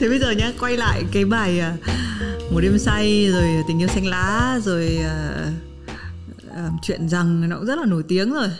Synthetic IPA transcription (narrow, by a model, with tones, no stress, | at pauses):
t̪ʰe˨˩ɓə˧jzəː˨˩ɲaː˧kwa˧jla̰ː˧˨jkaː˨˦jɓaː˨˩jəː˨˩mo˨˩t̚ɗe˧msa˧jzo˨˩jt̪i˨˩ŋ̟i˧əwsɛ˧ŋ̟laː˨˦zo˨˩jəː˨˩ | əː˨˩mt͡ɕwḭ˧˨ənza˨˩ŋnɔ˧ku˧˥ŋ͡mzə˦˥laː˨˩no˧˩jt̪i˨˦əŋzo˨˩j